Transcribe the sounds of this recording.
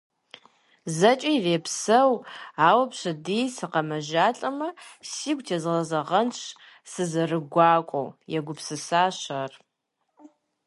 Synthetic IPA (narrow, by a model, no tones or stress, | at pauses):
zɐt͡ʃʼiireːpʰsɐwaːwɐpʰʂʷɐdijsɨqɐmɐʒaɬʼɐmɐsiɡʷʼtʰazʁɐzɐʁɐnʂ | sɨzɐrɨɡʷaːkʷʼo̰wjaɡʷʊpʰsɨsaːʃar